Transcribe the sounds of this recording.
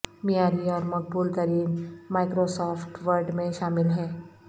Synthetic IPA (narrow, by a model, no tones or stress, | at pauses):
mijaːɾiɔːɾmɐk̚buːlt̪əɾiːnmaːɪkɾosɔːfʰʈʋəɾɖmẽʃaːmɪlɦɛː